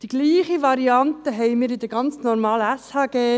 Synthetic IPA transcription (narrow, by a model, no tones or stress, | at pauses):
d̥iɡ̥liːχiʋɑɾiɑnt̪əɦɛjmiːɾɪd̪əɡɑnt͡snɔɾmɑːləæshɑːɡ̥eː